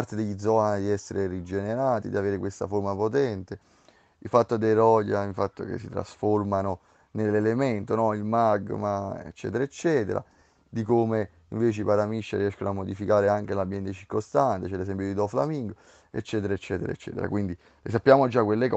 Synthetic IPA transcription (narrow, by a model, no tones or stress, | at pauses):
rt̪ed̪eʎːid̪zɔnd̪iɛsːeɾerid͡ʒeneɾaːt̪ḭd̪iaveːɾekwest̪a̰foɾmapot̪ɛnt̪e | ifat̪ːod̪eɾɔɟaiɱfat̪ːo̰kḛsːit̪ɾa̰sformano | nelːelement̪onɔilmaɡmaḛt͡ʃːɛ̰t̪eɾaet͡ʃːɛːt̪ḛɾʔa̰ | d̪ikome | iɱveːt͡ʃeipaɾamiʃːaɾiɛʃkonoamːod̪ifikaːɾeaŋkelambːjɛnt̪et͡ʃiɾkost̪ant̪et͡ʃɛlːesɛmp̬jod̪id̪ɔfla̰miŋɡo | ḛt͡ʃːɛːt̪eɾaet͡ʃːɛːt̪eɾa̰et͡ʃːɛ̰ːt̪ḛɾa̰kwind̪i | les̬apːjaːmod͡ʒːakːwelːek